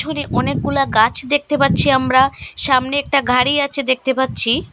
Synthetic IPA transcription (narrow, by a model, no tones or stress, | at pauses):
oneʔɔnek̚ːulaɡat͡ɕʰd̪ek̚t̪epatːɕʰiamɾaʃamneɛk̚ʈaɡʱaɾiat͡ɕʰed̪ek̚t̪epatːɕʰi